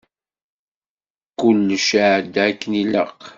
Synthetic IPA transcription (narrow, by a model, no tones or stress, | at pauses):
kʊlːʃəʕd̪ækːənilə̰q